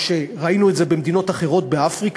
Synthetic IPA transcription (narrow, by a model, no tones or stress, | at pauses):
ʃe̞ʁainue̞tze̞be̞md̪ino̞taχe̞ʁo̞t̪̚be̞afʁik